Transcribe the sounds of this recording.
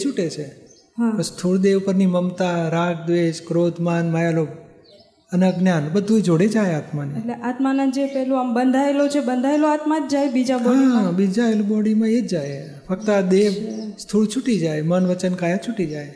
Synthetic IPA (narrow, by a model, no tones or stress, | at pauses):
et͡ʃʰuʈet͡ʃʰe | ɦãst̪ʰuɭd̪eʋpəɾniməmt̪aɾak̚ʰd̪ʋed͡ʒkɾod̪ʱmanmajalob̚ | əneɡnjanbəd̪ʱued͡ʒoɽed͡ʒajat̪manieleʔat̪manad͡ʒepɛɦlũambənd̪ʱaelot͡ʃʰebənd̪ʱaeloat̪mat̪d͡ʒajbid͡ʒabɔaibid͡ʒaelbɔɽimãed͡ʒd͡ʒaj | fək̚t̪əad̪eʋst̪ʰuɭt͡ʃʰuʈid͡ʒajmənʋət͡ʃənkajat͡ʃʰuʈid͡ʒaj